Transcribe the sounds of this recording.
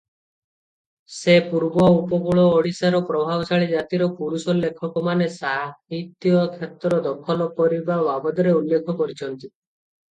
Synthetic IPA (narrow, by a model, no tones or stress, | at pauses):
sepuɾbɔupɔɡuɭɔːɽisaɾɔpɾɔbʱabɔsaɭid͡ʒat̪iɾɔpuɽusɔlekʰɔkɔmanesaɦit̪jɔkʰet̪ɾɔd̪ɔkʰɔlɔkɔɾibawabɔd̪ɔɾeulːekʰɔkɔɾit͡ʃʰɔnt̪i